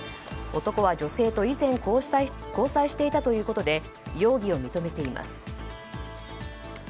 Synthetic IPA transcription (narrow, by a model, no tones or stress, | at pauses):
o̞t̪o̞ko̞βad͡ʑo̞se̞ːt̪o̞izẽ̞ŋ | ko̞ːsaiɕi̥t̪e̞it̪at̪o̞jɯ̟ːko̞t̪o̞d̪e̞ | jo̞ːɡʲio̞mʲit̪o̞me̞t̪e̞ima̰sɨ̥